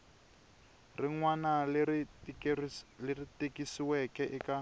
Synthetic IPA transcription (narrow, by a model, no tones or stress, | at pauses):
riŋwana | leritekisiwɛkɛʔɛka